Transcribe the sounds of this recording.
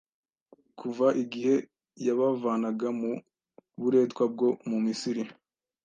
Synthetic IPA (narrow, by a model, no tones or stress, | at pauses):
kʰuvaʔiɡihe̞ | jaβavaːnaɡamu | βuɾe̞ːtkwab̚ɡo̞mumisiɾi